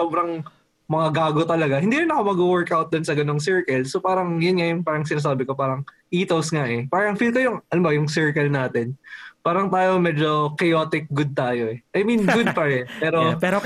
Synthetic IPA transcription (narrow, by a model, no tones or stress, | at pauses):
oːbɾɐŋ | mɐŋaɡaːɡot̪ɐlɐɡahɪnd̪iːɾɪnːɐkomɐɡuwɛɹkʔawt̪̚d̪onsɐɡɐnoŋsɛɹkɛlsopaːɾɐŋjɐnŋajʊnpaːɾɐŋsɪnɐs̬aːbɪko̞paːɾɐŋ | ʔiːt̪owsŋaʔɛpaːɾɐŋfilkojʊŋɐnʊmbɐjʊŋsɛɹkɐlnaːt̪ɛnpaːɾɐŋt̪aːjo̞mɛːd͡ʒo̞kɛjoːt̪ɪk̚ɡʊd̪̚t̪aːjo̞ʔɛʔɐjminɡʊd̪̚pɐɹɛpɛːɾoɛɾo